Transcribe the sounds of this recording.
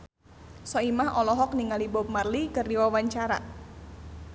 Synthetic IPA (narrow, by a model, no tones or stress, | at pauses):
sɔimahɔlɔɦɔk̚niŋalibɔp̚marlikərdiwawaɲt͡ʃaɾa̰